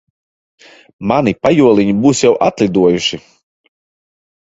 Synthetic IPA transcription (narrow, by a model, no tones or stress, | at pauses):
manipajuɔlˠʲiɲibuːsjawʔat̪lʲid̪uɔjuʃi